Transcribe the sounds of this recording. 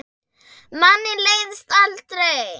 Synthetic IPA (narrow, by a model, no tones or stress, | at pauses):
manilejnst̪alt̪ɾe